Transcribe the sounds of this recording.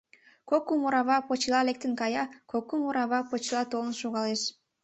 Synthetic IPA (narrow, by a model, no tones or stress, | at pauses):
kokːumuɾɑβɑpot͡ʃilˠɑlek̚t̪ənkɑjɑkokːumuɾɑβɑpot͡ʃilˠɑt̪olənʃoɣɑleʃ